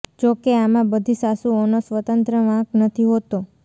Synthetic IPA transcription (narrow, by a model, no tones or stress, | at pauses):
d͡ʒokeamãbəd̪ʱisasuonosʋət̪ənt̪ɾəʋãknət̪ʰiɦot̪o